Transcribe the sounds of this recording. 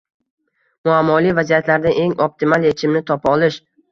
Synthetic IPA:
mʊamːɒlijvazijat̪laɾd̪aʔe̞ŋop̚t̪ʰɪmalˠje̞t͡ʃʰɪmnɪt̪ʰɒpɒlˠɪʃ

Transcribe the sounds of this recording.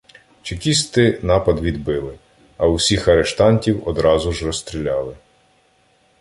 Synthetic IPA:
t͡ʃikʲisʲt̪ɪnɑpɐd̪ʋʲid̪bɪlˠɪ | ɐʊsʲixɐɾeʃt̪ɑnʲtʲiwɔd̪ɾɑzʊʒrɔst̪ɾʲilʲɑlˠɪ

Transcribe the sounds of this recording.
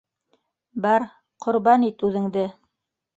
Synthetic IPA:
bɑɾ | qʰŏɾbɑnit̪ʉðɘ̆ŋd̪ɘ

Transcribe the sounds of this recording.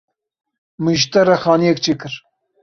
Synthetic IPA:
mɨʒt̪ɐɾɐxɑːnijɛk̚t͡ʃʰekɨɾ

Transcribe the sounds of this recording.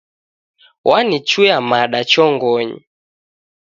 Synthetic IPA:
wʔanit͡ʃujamaɗat͡ʃɔŋɡɔɲḭ

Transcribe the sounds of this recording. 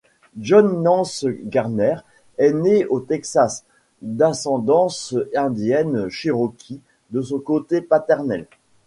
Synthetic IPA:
ʒɔnːɑ̃sɡaʁnɛʁ | ɛneot̪ɛksas | d̪asɑ̃d̪ɑ̃sɛ̃d̪jɛnʃiʁɔkʲʰi | d̪əsɔ̃kot̪epat̪ɛʁnɛl

